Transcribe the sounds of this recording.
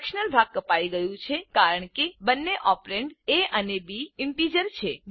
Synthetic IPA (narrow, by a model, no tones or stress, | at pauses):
kʃnəlbʱakːəpaiɡəjũt͡ʃʰekaɾəɳ̃kebənːeʔɔpɾeɳɖeʔənebiɪmpid͡ʒəɾt͡ʃʰe